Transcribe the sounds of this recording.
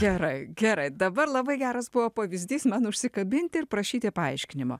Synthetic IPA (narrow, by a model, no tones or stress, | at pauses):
ɡ̥ʲɛɾɐɪɡʲɛɾɐɪd̪ɐbɐɾlˠɐbɐɪɡʲæːɾɐsbʊʋoːpɐʋʲɪzʲd̪ʲiːsmɑnʊʃʲsʲɪkɐbʲɪnʲt̪ʲɪɾpɾɐʃʲiːt̪ʲɪpɐɐɪʃʲkʲɪnʲɪmo̰ː